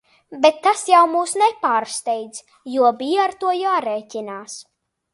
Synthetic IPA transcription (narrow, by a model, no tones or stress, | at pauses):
bet̪ːasjawmuːsnɛpaːɾst̪ɛjd̪z | juɔbijaɾt̪uɔjaːɾeːcʲinaːs